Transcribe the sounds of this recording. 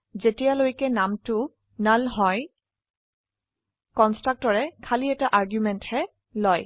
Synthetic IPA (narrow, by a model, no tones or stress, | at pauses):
zetijalojkɛnamtʊ | nalɦɔj | kɔnstɹak̚tɔɹɛkʰaliɛtaʔaɹɡjumɛnthɛ | lɔj